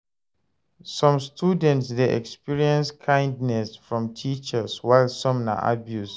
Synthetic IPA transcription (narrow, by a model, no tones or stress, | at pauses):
sɔ̃mstʰudɛ̃ntsdeʔɛ̰kspiɹiɛ̃nskʰãj̃ndnɛsfɹɔ̃mtʰit͡ʃəswaɪlsɔ̃mna̰ʔa̰bjus